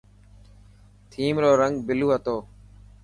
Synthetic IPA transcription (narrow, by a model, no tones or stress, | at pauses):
t̪ʰiːmɾoːɾəŋɡbɪluːɦət̪oː